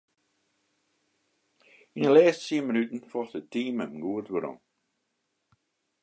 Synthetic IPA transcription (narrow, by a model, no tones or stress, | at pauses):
inəlɛːstsiəmənytn̩fɔxtətiːməmɡuətʋəɾɔ̰ŋ